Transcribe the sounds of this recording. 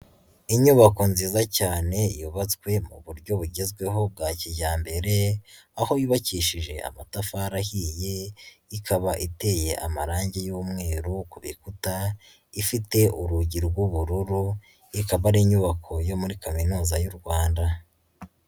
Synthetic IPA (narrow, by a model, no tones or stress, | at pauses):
iɲuβako̞nziːzacaːne̞juβat͡skwe̞mṵβuɾɟo̞βuɟezɡwe̞ɦo̞b̚ɡaːciɟaːmbe̞ɾe̞ | aho̞juβaciʃiʒe̞ʔa̰matafaɾahije̞ikʰaβaʔite̞je̞ʔamaɾaːɲɟejuːmŋe̞ːɾukuβḭkuta | ifite̞ʔuɾuɟiɾɡwuβuɾuɾu | ikaβaɾiɲuβakʰo̞jo̞muɾikaminuːzajuɾɡwaːnda